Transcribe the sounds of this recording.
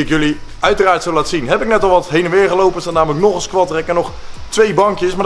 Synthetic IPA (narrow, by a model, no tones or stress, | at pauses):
ɪkjɵliœɥtəraːɹtsowlaːtsinɦɛpɪk̚nɛtɔlˠʋɑtɦejnənʋɪːɹχəlowpənstatnaːmələknɔχəskʋɑtrɛkənɔχtʋejbɑŋkjəsmaː